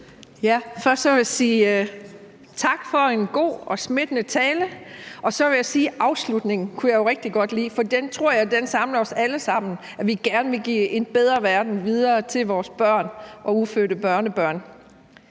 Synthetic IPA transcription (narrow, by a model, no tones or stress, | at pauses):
jæfɶɐsd̥sɒʋe̝jæsiː | t͡sʰɑ̈ɡ̥fɒ̽enɡ̥o̝̰ːɒ̽sme̝d̥ənət͡sʰɛːləʔɒ̽sɒ̽ʋe̝jɑsiːʔɑ̈ʊslud̥ne̝ŋn̩kʰujɑjo̝ʁɛɡ̥̚d̥iɡ̥ɒ̽d̥lḭːfɒ̽d̥ent͡sʰʁo̝ɐ̰jɑ̈ɪd̥ensɑ̈mlɐɒ̽sæləsɑ̈m̰n̩ | æʋiɡ̥æɐnəʋe̝ɡ̥ḭːe̝db̥eð̞ˠʁɐʋæɐd̥n̩ʋið̞ˠɐːt͡sʰe̝lʋɒːsb̥ɶɐ̰nʔɒ̽uføːɾəb̥ɶɐnəb̥ɶɐ̰n